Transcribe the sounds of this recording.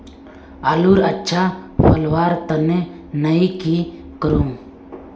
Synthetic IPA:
aluɾətːt͡ʃʰapʰəlwaɾt̪ənɛ | nəjki | kəɾuŋ

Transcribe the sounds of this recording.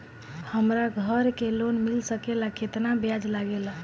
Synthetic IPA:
həmɾaɡʱəɾkelonmilsəkelaket̪nabjad͡ʒlaɡela

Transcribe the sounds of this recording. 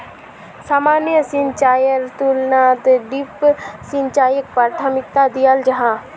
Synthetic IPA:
saːmaːnjəsint͡ʃaːjəɾt̪ulnaːt̪ɖipsint͡ʃaːjək̚pɾaːɾt̪ʰəmɪk̚t̪ad̪ijald͡ʒɐɦãː

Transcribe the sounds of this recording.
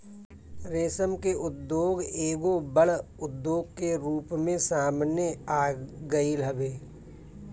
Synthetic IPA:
ɾeːsəmkeʔʊd̪ːjoːɡeːɡobəɽʊd̪ːoːɡkeɾuːpmẽsaːmnjeaːɡəiləbeː

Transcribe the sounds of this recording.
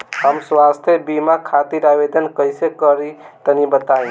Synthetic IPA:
həmswast̪ʰjebimakʰat̪iɾabed̪ʱənkəɪsekəɾit̪ənibət̪aĩ

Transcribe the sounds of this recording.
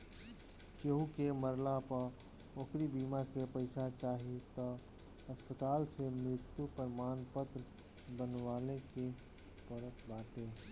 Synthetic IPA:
ʃeɦukeməɾlapə | okɾibiːmaːɾkepəɪsat͡ʃaːɦiet̪ɔ | ɐspət̪aːlsemɾɪt̪jupəɾmaːnpət̪ɾ | bənwaːleke | pəɾət̪baːʈeː

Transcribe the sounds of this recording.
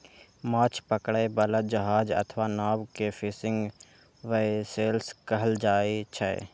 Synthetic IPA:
maːt͡ʃʰpəkɽebələt̪̚d͡ʒəɦaːd͡ʒə̰t̪ʰʋanaːwkefʰɪsɪ̃ŋɡ | ʋeeseːlskəɦəld͡ʒaːet͡ʃʰəḛ

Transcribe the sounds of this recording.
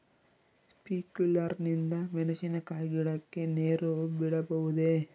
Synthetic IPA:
spiːkulɐɾnind̪ɐmɛnɐsinɐkaːjɡiɽɐkːe̞neːɾubiɽɐbɐʋud̪e

